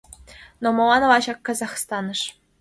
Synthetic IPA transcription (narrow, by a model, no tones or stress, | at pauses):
nomŏlɑnɤlɑʑɑkːɑzɑχst̪ɑnɤ̆ʂ